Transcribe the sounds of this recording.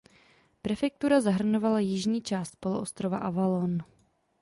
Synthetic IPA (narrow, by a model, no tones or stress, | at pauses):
pɾɛfɛk̚t̪uɾazaɦr̩no̞valajɪʒɲiːt͡ʃaːst̪̚po̞loʔost̪ɾova̰ʔavalon